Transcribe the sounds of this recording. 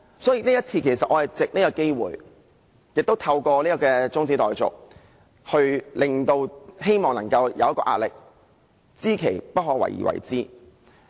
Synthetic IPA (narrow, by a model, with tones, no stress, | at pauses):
sɔː˨˥jiː˨˧niː˥jɐ˥t̚t͡sʰiː˧kʰe˨˩jsɐ˨t̚ʔɔː˨˧hɐ˨˩jt͡sɪ˨k̚niː˥kɐ˧ke˥jwṵː˨˩j | jɪ˨k̚t̪o˥wt̪ʰɐ˧wkɔː˧liː˥ɔ˧kɛː˧t͡sʊ˥ŋt͡siː˨˥t̪ɔː˨˩jt͡sʊ̰˨k̚ | hɵ˧ɥlɪ˨˧ŋt̪o˧whe˥jmɔː˨ŋnɐ˨˩ŋkɐ˧wjɐ̰˨wjɐ˥kɔː˧ʔa̰ː˧t̚lɪ˨k̚ | t͡siː˥kʰe˨˩jpɐ˥t̚ɦɔː˨˧wɐ̰˨˩jḭː˨wɐ̰˨˩jt͡siː˥